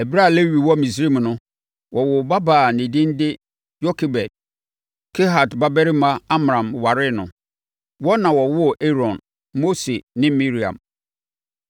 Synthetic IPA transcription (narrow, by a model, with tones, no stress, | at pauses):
æ˨bɾa˦˨le˦ɥi˨wɔ˦mĩ˨s̬ɾi˦˨m˨nʊ̃˦ | wʔɔ˨wʊ˨ba˦baː˨nɪ̃˨dɪ̃˦n˦dɪ˦ | jɔ˦kʰe˨bɛ˨d̚ | kʰe˦ɦa˨dba˦bɛ˦ɾɪ˦mã˦a˦m˨ɾã˨m˨wa˨ɾɪ˦nʊ̰̃˨ | wɔ˦nã˨wɔ˨wʊ˦ɔ˨ʔe˦ɾɔ̃˨n | mo˦se˨nɪ̃˦mi˦ɾi˨ã̰˨m